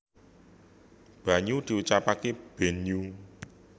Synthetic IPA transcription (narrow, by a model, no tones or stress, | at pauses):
b̥a̤ɲud̪̥i̤ut͡ʃapakeb̥ɛ̤ɲu